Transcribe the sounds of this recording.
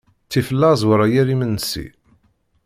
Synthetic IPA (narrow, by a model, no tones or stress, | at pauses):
t͡sːifəlːæzˤwəɾˤajæɾimənːəsḭ